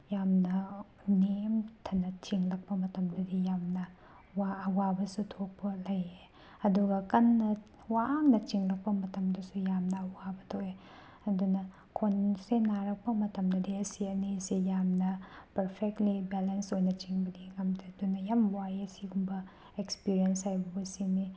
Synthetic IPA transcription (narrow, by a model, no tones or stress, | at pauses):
jamnɐ | nemtʰɐnːɐt͡ʃiŋlɐk̚pɐmɐtɐmdɐdijamnɐ | waːwabɐsutʰok̚pɐlɐje | ɐduɡɐkɐnːɐ | waŋnɐt͡ʃiŋlɐk̚pɐmɐtɐmdɐsujamnɐːwabɐtʰoe | ɐdunɐ | kʰonsenaɾɐk̚pɐmɐtɐmdɐdiɐsiɐnisijamnɐpɐɾpʰek̚tlibelensojnɐt͡ʃiŋbɐdiŋɐmdiɐdunɐjamwajɐsiɡumbɐ | ekspiɾienshajbɐbɐsimi